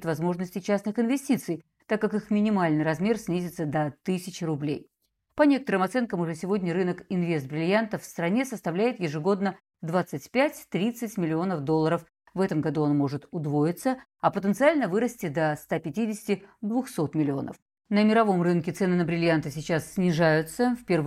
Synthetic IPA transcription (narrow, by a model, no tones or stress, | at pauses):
t̪vɐzmo̞ʐnəsʲtʲɪt͡ɕasnɨxɪnvʲɪsʲtʲit̪sɨj | t̪akːakɨxmʲɪnʲɪmalʲnɨjɾɐzmʲe̞rsʲnʲizʲɪt̪səd̪ɐt̪ɨsʲɪt͡ɕrʊblʲḛj | pɐnʲe̞kət̪əɾɨmɐt̪sɛnkəmʊʐɛsʲɪvo̞dʲnʲəɾɨnəkɪnvʲe̞st̪̚bɾʲɪlʲjant̪əffst̪ɾɐnʲe̞səst̪ɐvlʲæjɪt̪jɪʐɨɡo̞d̪nə | d̪vat̪sːɨtʲpʲætʲt̪ɾʲit̪sɨtʲmʲɪlʲɪo̞nəfd̪o̞lˠːəɾəf | vɛt̪əmɡɐd̪uo̞nmo̞ʐɨt̪ʊd̪vo̞ɪt̪sə | ɐpət̪ənt̪sɨalʲnəvɨɾəsʲtʲɪd̪əst̪apʲɪtʲidʲɪsʲɪ̥tʲɪd̪vʊxso̞t̪mʲɪlʲɪo̞̰nə̰f | nəmʲɪɾɐvo̞mrɨnkʲɪt̪sɛnɨnəbɾʲɪlʲjant̪ɨsʲɪt͡ɕasːʲnʲɪʐajʊt̪səfʲpʲev